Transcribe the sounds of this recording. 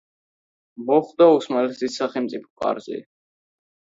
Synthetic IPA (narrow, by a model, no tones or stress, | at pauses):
mɔχd̪ausmalɛsisːaχɛlmt̪sʼipʰɔ̥kʼa̰ɾzḭ